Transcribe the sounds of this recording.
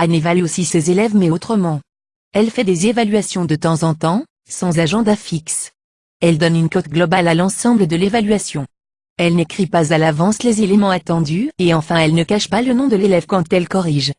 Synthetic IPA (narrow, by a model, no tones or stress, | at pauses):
anevalyosisezelɛvmɛot̪χəmɑ̃ | ɛlfɛd̪ezevalɥasjɔ̃d̪ət̪ɑ̃zɑ̃t̪ɑ̃ | sɑ̃zaʒɑ̃d̪afiks | ɛld̪ɔnynkot̪ɡlɔbalalɑ̃sɑ̃bləd̪əlevalɥasjɔ̃ | ɛlnekχipazalavɑ̃slezelemɑ̃at̪ɑ̃d̪yeɑ̃fɛ̃ɛlnəkaʃpalənɔ̃d̪əlelɛvkɑ̃t̪ɛlkɔʁiʒ